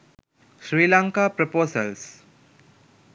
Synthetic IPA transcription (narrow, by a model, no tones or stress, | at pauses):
ʃɾiːlãŋkaːpɾopoːsəls